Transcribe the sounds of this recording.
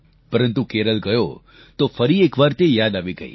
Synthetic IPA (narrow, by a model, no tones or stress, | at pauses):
pəɾənt̪ukeɾəlɡəjo | t̪ofəɾiekʋaɾt̪ejad̪aʋiɡə̰ḭ